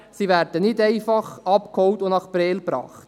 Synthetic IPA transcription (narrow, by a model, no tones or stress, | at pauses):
siʋæɾdənɪdɛɪfɑχɑpkhɔwtʊnɑχpɾɛːlpɾɑ̰ːχt